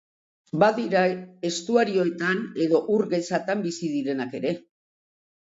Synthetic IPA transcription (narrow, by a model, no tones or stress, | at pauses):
baðiɾae̞st̪uaɾio̞t̪ane̞ðo̞ʔuɾɣe̞sat̪ambisiðiɾe̞nake̞ɾe̞